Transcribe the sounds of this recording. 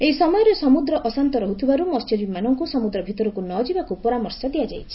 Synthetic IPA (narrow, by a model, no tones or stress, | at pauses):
eisɔmɔjɔɾɔsɔmud̪ɾɔʔɔsant̪ɔɾɔɦut̪ʰibaɾumɔst͡ʃɔɾimanɔŋkusɔmud̪ɾɔbʱit̪ɔɾɔkunɔd͡ʒibakupɔɾamɔɾsɔd̪iad͡ʒajt͡ʃʰi̥